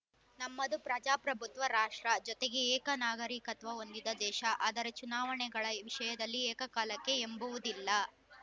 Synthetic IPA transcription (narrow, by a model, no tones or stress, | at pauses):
nɐmːɐd̪upɾɐd͡ʒaːpɾɐbʱut̪ʋɐɾaːʂʈɾɐd͡ʒɔt̪eɡe̞ɛːkɐnaːɡɐɾikɐt̪ʋɐo̞nd̪id̪ɐd̪ɛːʃɐʔɐːd̪ɐɾɐt͡ʃunaːʋɐɳɛɡɐɭɐʋiʂɐjɐd̪ɐlːiɛːkɐkaːlɐkːe̞embuʋud̪ilːɐ